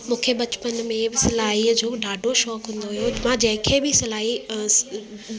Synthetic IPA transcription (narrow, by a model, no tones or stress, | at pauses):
mũːkʰebɐt͡ɕɪ̥pənmẽbɪsɪlaːɦid͡ʑoːɖaːɖʱoʃɔːkɦũːnd̪oɦijomãd͡ʑɐ̃ɦɪ̃kʰeːbɪsɐlaːɦi